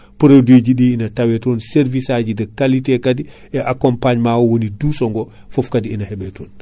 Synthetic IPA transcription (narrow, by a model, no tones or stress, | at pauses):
poɾodeːd͡ʒiɗiinatawɛtɔːnseɾvisad͡ʒidɛkalitɛkadi | ɛʔakɔmpaɲmawɔwonidusɔŋɡɔ | fɔfkadiinahɛɓɛtoːn